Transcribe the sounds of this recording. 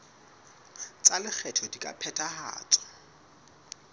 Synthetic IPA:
t͡sʼalɪk͡xʰɛtʰɔdikʼa̰pʰɛtʰʼaha̰ːt͡sʼɔ̥

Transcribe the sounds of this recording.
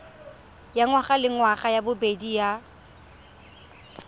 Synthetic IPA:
jaŋwaχalɪŋwaχajabʊbedija

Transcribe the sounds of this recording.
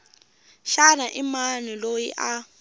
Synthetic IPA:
ʃanaʔimanilojḭʔa

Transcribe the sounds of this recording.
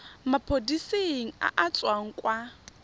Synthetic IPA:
mapʰodiseŋ̩a̰ʔat͡sʼwaŋ̩kʼwa

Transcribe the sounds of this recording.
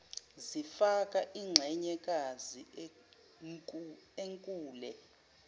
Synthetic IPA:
zifakʼaʔiːŋ͡ǁʱɛɲɛkʼazi | eŋkʼuːlɛ

